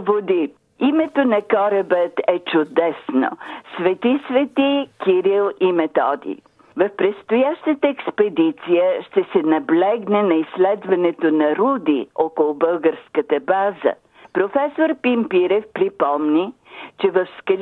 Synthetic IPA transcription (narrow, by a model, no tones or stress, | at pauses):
vod̪i | imɛt̪onɐkɔɾəbət̪ɛt͡ʃʊd̪ɛsno̰svɛt̪isvɛt̪ikiɾilˠimɛt̪ɔd̪ḭ | vɐfpɾɛt̪st̪ʊjaʃt̪ət̪əɛkspɛd̪it̪sijəʃt̪ɛsɛnɐblɛɡnɛnɐislɛd̪vɐnɛt̪onɐɾud̪iɔkolˠʊbɤlˠɡəɾskət̪əbazə̰ | pɾofɛsoɾpimpiɾɛfpɾipɔmni | t͡ʃɛvɐfskə